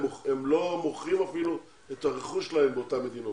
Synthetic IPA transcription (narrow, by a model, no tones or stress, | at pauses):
oemlo̞moχʁimafilu | et̪aʁeχuʃelahembeotame̞d̪ino